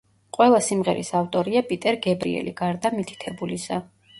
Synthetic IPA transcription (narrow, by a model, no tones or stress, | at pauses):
qʼwɛlˠasimʁɛ̰ɾḭsaft̪ʼɔɾiapʼit̪ʼɛɾɡɛbɾḭɛ̰lḭɡaɾd̪amit̪ʰi̥t̪ʰɛbulisa